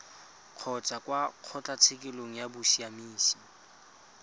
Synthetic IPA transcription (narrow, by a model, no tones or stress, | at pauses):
q͡χʰɔt͡sʼakwaq͡χʰɔt͡ɬʼat͡sʰɪkʼɪloŋ̩jabʊsiamiːsi̥